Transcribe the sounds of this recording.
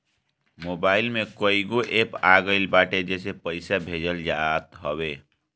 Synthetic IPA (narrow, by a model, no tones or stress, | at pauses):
mobaːilmekəiɡoʔepaɡəɪlbaʈed͡ʒesepəɪsabʱed͡ʒəld͡ʒat̪ɦəbe